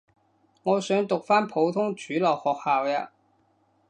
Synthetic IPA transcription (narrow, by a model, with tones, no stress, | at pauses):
ŋɔː˨˧sœ˨˥ŋt̪ʊ˨k̚faː˥npʰo˨˥wt̪ʰʊ˥ŋt͡ʃyː˨˥lɐ˨˩whɔː˨˩k̚haː˨˩wja̰ː˧